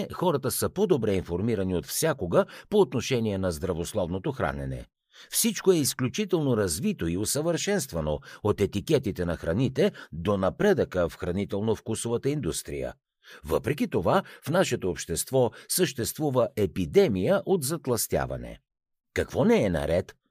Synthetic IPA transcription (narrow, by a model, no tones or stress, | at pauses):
xɔɾət̪əsəpod̪obɾɛinfoɾmiɾɐniot̪fsʲjakoɡəpoːt̪noʃɛniɛnɐzd̪ɾɐvoslˠɔvnot̪oxɾa̰nɛ̰nɛ̰ | fsit͡ʃkoɛisklʲut͡ʃit̪ɛlˠnoɾɐzvit̪oiosəvəɾʃɛnst̪vɐnoot̪ɛt̪ikʲɛt̪it̪ɛnɐxɾɐnit̪ɛd̪onɐpɾɛd̪əkəfxɾɐnit̪ɛlˠnofkusovət̪əind̪ust̪ɾḭjə̰ | və̰pɾɛk̬ʲit̪ovafnaʃɛt̪oːpʃt̪ɛst̪vɔsəʃt̪ɛst̪vuvəʔɛpid̪ɛmijəʔot̪zɐt̪lˠɐst̪ʲja̰vɐ̰nɛ̰ | kɐkvɔnɛɛnɐ̰ɾɛt̪